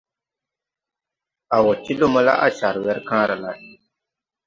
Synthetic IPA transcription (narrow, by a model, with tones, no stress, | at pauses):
a˨wɔ˨tːi˦lo˦mɔ˦la̰˦ʔa̰˦ʃa˨ɾwɛ˦ɾkãː˦ɾa˨la˦